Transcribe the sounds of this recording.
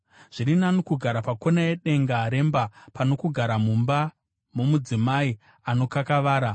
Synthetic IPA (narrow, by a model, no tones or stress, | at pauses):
ʐ̥iɾinanukuɡʱaɾapako̞najeɗe̞ŋɡaɾe̞mbapano̞kuɡʱaɾamumba | mumud͡zimai | ano̞kakaʋaːɾa